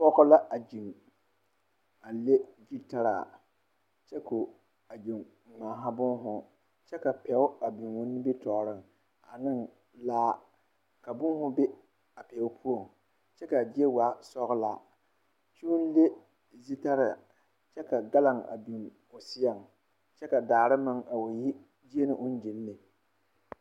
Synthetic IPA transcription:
pɔ˦ɣʊ˦la˦ʔa˨d͡ʒi˨ŋ | a˨le˦d͡ʒi˦ta˦ɾa̰˨ | t͡ʃɛ˦ko˨ | a˨d͡ʒi˨ŋ | ŋaː˨ɦa˦bʊ˦nɦʊ˦ | t͡ʃɛ˦ka˨pɛ˨ʊ˦a˨bi˨ŋwo˦nːɪ˦bi˦tɔː˨ɾɪ˦ŋ | a˨nɪ˦ŋ | laː˦ | ka˨bʊ˦ŋ˦hʊ˦be˦ | a˨pɛ˨˦ʊ˦pʰu˦o˨ŋ | t͡ʃɛ˦ka˨d͡ʒi˦e˦wa˦sɔ˦ɣla̰˨ | t͡ʃu˦n˦le˦ | zi˦ta˦ɾɪ̰˨ | t͡ʃɛ˦ka˨ɡa˦la˨ŋa̰˨bi˨ŋ | o˨sɪ˦ja˨ŋ | t͡ʃɛ˦ka˨daː˨ɾɨ˦mɨ˦ŋa˨wo˨ji˦ | d͡ʒi˦e˦nɨ˨ʔʊ˦n˦d͡ʒɪ˨lːɪ˨

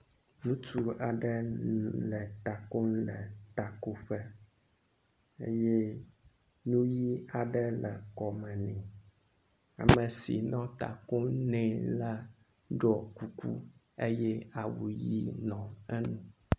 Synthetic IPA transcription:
nũ˦t͡ʃu˦a˨ɖɛ˦lɛ˨t̪a˨ko˦n˦lɛ̰˨t̪a˨ko˨ɸɛ˦ | ḛ˦jɛ˦ | nũ˦ji˦a˨ɖɛ˦lɛ̰˨kɔ˨mɛ̃˨nĩ˨ | a̰˨mɛ̃˨sḭ˨nɔ̃˦t̪a̰˨ko˦nɛ̃˨la˦ | ɖɔ˨ku˨kṵ˦ | e˦jɛ˦a˨wu˨ji˦nɔ̃˨ɛ˦nũ˦

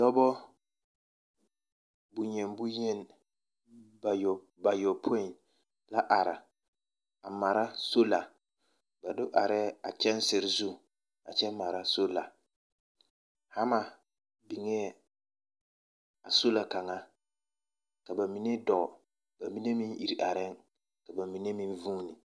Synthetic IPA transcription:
dɔ˦bɔ˦ | bʊ˨ɲɛ˨nbʊ˦ɲɛ˦n˨ | j | ba˨jɔ˨pʰo˦i˨n | la˦ʔa˨ɾɪ̰˨ | a˨ma˨ɾa˦so˦la˨ | ba˨dʊ˦ʔa˨ɾɛ˦a˨t͡ʃɛ˦n˦sɪ˨ɾɪ˨zu˦ | a̰˨t͡ʃɛ˦mːa˨ɾa˦so˦la˨ | ha˦ma˨ | bi˨ŋɛ˦˨ | a˨so˦la˨ka˨ŋa˦ | ka˨ba˨mi˨ne˦dɔ˨ | ba˨mi˦ne˦mi˦ŋʔi˨ɾi˨ʔa˨ɾɪ˦ŋ | ka˨ba˨mi˨ne˦mi˦nvuː˦nɪ˨

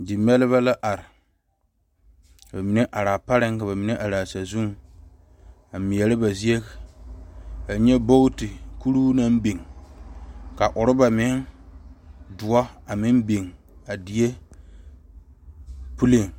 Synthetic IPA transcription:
dɪ˨mɛ˦lɪ˦βa˦la˦ʔa˨ɾɪ˨ | ba˨mi˨ne˦ʔa˨ɾaː˨pa˦ɾɪ˦ŋka˨βa˨mi˨ne˦ʔa˨ɾaː˨sa˨zu˦ŋ | a˨mi˨ɛ˨lɪ˦ba˨zi˦e˦ | a˨ɲɛ˦bo˦tɪ˨ku˦ɾuː˦na˦m˦be˨ŋ | ka˨ʔʊ˨ɾɪ˦ba˨mɪ˨˦ŋ | dʊ˨ɔ˦a˨mɪ˦m˦be˨ŋ | a˨di˨e˦ | pu˦le˦˨ŋ

